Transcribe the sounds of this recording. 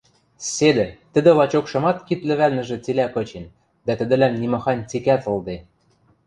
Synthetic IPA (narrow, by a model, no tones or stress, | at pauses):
sed̪ɘ̆t̪ə̆d̪ɘ̆lɑt͡ɕokʃɤ̆mɑt̪kit̪lɘ̆βælnɘ̆ʒɘ̆t͡silækɤ̆t͡ɕen | d̪æt̪ɘ̆d̪ɘ̆læmnimɤ̆xɑnʲt͡sikæt̪ɤ̆lˠd̪e